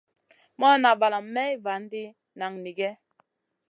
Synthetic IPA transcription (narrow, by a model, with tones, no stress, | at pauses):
mɔ˦na˨va˨la˨m˦mɛ˦i˦va˨˦n̩˦di˦ | na˨ŋni˨ɡɛ˦